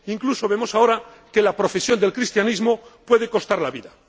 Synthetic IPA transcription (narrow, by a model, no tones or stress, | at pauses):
iŋkluso̞βe̞mo̞sao̞ɾa | ke̞lapɾo̞fe̞sjo̞nd̪e̞lkɾist̪janizmo̞pwe̞ðe̞ko̞st̪aɾlaβiða